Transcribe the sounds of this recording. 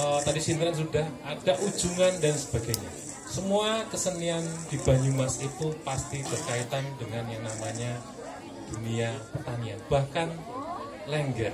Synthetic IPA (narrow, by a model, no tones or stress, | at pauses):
ət̪adisint̪ɾans̬udahad̥aʔu̥d͡ʒuŋandansə̥b̥aɡajɲa̰ | səmuakəsəniand̥ibaɲumasit̪upast̪ib̥ərkait̪andəŋanjaŋnamaɲa | d̥uniapərt̪anianb̥ahkan | ləŋɡɛr